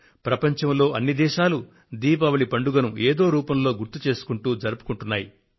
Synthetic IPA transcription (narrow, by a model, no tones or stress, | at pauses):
pɾɐpɐɲt͡ʃɐmlo̞ːʔɐnːid̪ɛːʃaːlu | d̪iːpɐʋɐɭipɐɳɖuɡɐnueːd̪o̞ːɾuːpɐmlo̞ːɡuɾt̪ut͡ʃe̞ːsu̥kuɳʈuːd͡ʒɐɾupu̥kuɳʈunːaːji